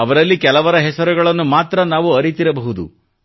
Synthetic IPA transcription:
ɐʋɐɾɐlːikɛlɐʋɐɾɐɦɛsɐɾuɡɐɭɐnːumaːt̪ɾɐnaːʋuɐɾit̪iɾɐbɐɦud̪ṵ

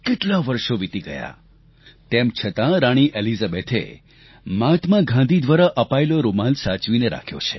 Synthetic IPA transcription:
keʈlaʋəɾʃoʋit̪iɡəja̰ | t̪emt͡ʃʰət̪ãɾaɽ̃iʔelizabet̪ʰḛ | mãt̪ʰmãɡʱãnd̪ʱid̪ʋaɾaʔəpaeloɾomansat͡ʃʋineɾa̰kʰjo̰t͡ʃʰe̥

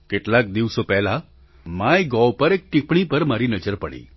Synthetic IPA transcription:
kɪʈlak̚d̪iʋsopɛɦla | majɡɔwpəɾek̚ʈipɳipəɾmaɾinəd͡ʒəɾpəɽḭː

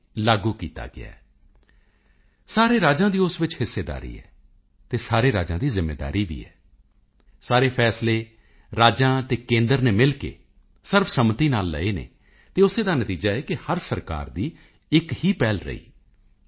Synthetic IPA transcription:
laːɡuːkḭːt̪a̰ːɡɪ̰a̰ː | saːɾeːɾaːd͡ʒãːd̪iːʊsʋɪt͡ʃhɪsːeːd̪a̰ːɾḭːɛ̰ː | t̪eːsaːɾeːɾaːd͡ʒãːd̪iːzɪmːḛːd̪a̰ːɾiːʋḭːɛ̰ː | saːɾeːpʰɛːsleː | ɾaːd͡ʒãːt̪eːkẽːnd̪əɾneːmɪlkḛː | sɪɾfʰsəmt̪iːnaːlːə̰eːnḛː | t̪eːʊseːd̪aːnət̪iːd͡ʒaːɛːkɪhəɾsəɾka̰ːɾd̪iː | ɪkhiːpɛːlɾə̰ḭː

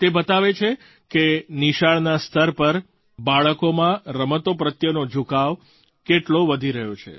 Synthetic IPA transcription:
t̪ebət̪aʋet͡ʃʰe | keniʃaɭnast̪ʰəɾpəɾ | baɭəkomãɾəmət̪opɾət̪jənod͡ʒʱukaʋ | keʈloʋəd̪ʱiɾəɦjot͡ʃʰḛ

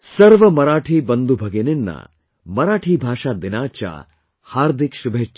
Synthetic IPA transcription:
sɐɾʋɐmɐɾaːʈʰiːbɐnd̪ubʱɐɡeninːa̰ | mɐɾaːʈʰiːbʱaːʃad̪inaːt͡ʃa̰ː | haːɾd̪ʱikʃubʱeːt͡ʃː

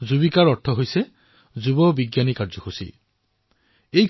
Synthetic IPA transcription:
d͡ʒubikaɾɔʈʰɔɦojse | d͡ʒubɔbiɡjanikaɾd͡ʒɔkʰusḭ | ej

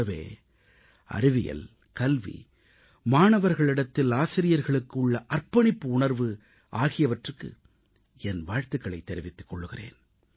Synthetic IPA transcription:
ɐʋḛː | ɐ̰ɾɪʋɪjɐ̰l | kɐlʋḭ | maːɳɐʋɐɾɣɐɭɪɽɐt̪ːɪlaːsɪɾɪjɐɾɣɐɭɯkːɯʊɭːɐʔɐrpɐɳɪpːɯʊɳɐɾʋɯ | ʔaːɣɪjɐʋɐʈrɯkːɯ̰ | ɛnʋaːɻt̪ɯkːɐɭɐɪt̪ːɛɾɪʋɪt̪ːɯ̥kːɔɭːɯɣɪrḛːn

